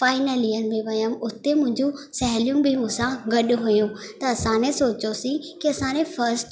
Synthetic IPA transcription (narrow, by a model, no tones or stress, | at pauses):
faːɪnəliːənɪ̆bẽʋɐjəmʊt̪emʊ̃ɦɪ̃ɲd͡ʑũsɛɦlijũbʱɪmʊ̃sãɡɐɗʊɦʊjũt̪ɐɐsãnẽsoːt͡ɕosĩkiɐsãːnẽfɐɾsʈ